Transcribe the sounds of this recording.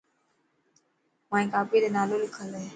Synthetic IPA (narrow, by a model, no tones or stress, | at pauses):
mãːĩːkaːpiːd̪eːnaːloːlɪkʰəleː